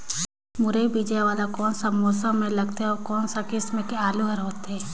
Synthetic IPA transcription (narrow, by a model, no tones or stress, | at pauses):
mʊɾeibid͡ʒjaʋaːlakɔːnsamɔːsəmːẽlɐɡt̪eɦɛɔːɾkɔːnsakɪsmẽkeaːluɦəɾɦoːt̪ɦɛː